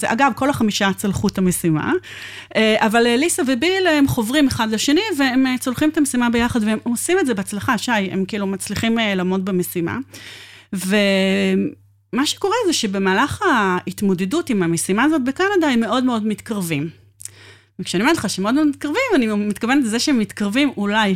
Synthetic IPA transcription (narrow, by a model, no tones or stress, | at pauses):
zḛʔaɡabko̞laχamiʃat͡salχutamesima̰eʔavalelisavebilemχo̞vʁimeχadleʃe̞niveemet͡solχimet̪amesimabe̞jaχad̪veemosimetdzebeat͡slaχaʃajḛmkiiːlumat͡sliχimelaːmo̞t̚bemesima̰ | ve | maʃe̥ko̞ʁezeʃe̞be̞maːlaχait̪mo̞dedutimamesimaːzot̚bekanadaemːe̞ʔo̞dmeo̞dmit̪kaʁvim | ekʃeaniimaleχaʃeemeo̞dmmit̪kaʁvimanimit̪kavenet̪lezeʃeemːit̪kaʁvimulaj